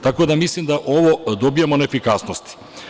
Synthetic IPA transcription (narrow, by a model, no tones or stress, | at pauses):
t̪akod̪amislˠimd̪aʔoʋod̪obijamonɛefikasnost̪i̥